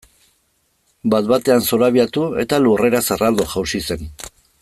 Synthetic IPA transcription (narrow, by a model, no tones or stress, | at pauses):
bat̪̚bat̪e̞anso̞ɾaβiat̪ue̞̰t̪alure̞ɾasarald̪o̞ʝawsise̞n